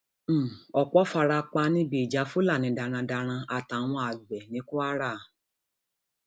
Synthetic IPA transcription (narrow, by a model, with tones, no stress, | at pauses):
m̩˦˨ɔ˨k͡pɔ˦fa˧ɾa˧k͡pa˧nĩ˧˦be˨d͡ʒa˨˦fu˦la˦˨nĩ˨˦da˧ɾ̃ã˧da˧ɾ̃ã˧a˨ta˨˦w̃ɔ̃˧a˨ɡ͡bɛ˨nĩ˨˦ku˦a˦ɾa˦˨